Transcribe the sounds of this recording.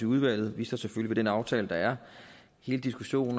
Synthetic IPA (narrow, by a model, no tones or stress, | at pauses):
euð̞ˠʋæl̰ð̞̩ˠʋḭːsɑseføliʋe̝d̥enɑ̈ʊt͡sʰɛːləd̥ɑ̈æɐ | he̝ːləd̥isɡ̥uɕo̝̰ːn̩